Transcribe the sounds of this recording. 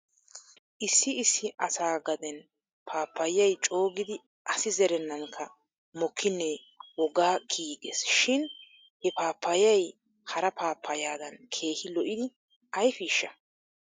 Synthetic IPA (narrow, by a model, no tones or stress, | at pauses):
ʔɪsːɪɪsːɪʔɐsaːɡɐd̪ɛn | pʰaːpːɐjɐjt͡ʃʼo̞ːɡɪd̪ɪ | ʔɐsɪzɛɾɛnːɐŋkʰːɐ | mɔkʰːɪnːeː | wɔɡaːɡiːɡesʃɪn | hɛpaːpʰːɐjɐj | hɐɾɐpʰaːpʰːɐjaːd̪ɐnkʰe̞ːhɪlɔʔɪd̪ɪ | ʔɐjfiːʃːɐ